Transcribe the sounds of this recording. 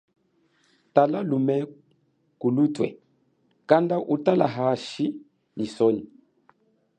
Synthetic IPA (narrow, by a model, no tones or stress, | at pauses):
talalumɛ | kulutwɛ̰ | kandaʔutala̰ɦaʃi | nisɔni